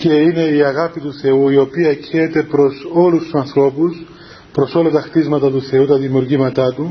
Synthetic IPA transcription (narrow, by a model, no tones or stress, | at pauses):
ce̞ine̞iɐɣɐpit̪uθe̞uio̞piɐecʰeːt̪e̞pɾo̞so̞lust̪usɐnθɾo̞pus | pɾo̞so̞lɐt̪ɐxt̪izmɐt̪ɐt̪uθe̞ut̪ɐðimiuɾʝimɐt̪ɐt̪u